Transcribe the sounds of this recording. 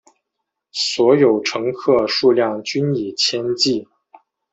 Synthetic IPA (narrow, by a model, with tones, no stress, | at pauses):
swɔ˧˥jo˨˩ʊʈ͡ʂʰɤ˧˥ŋkʰɤ˥˧ʂu˥˧ljɑ˥˩ŋt͡ɕy˥ni˨˩t͡ɕʰjɛ˥nt͡ɕi˥˩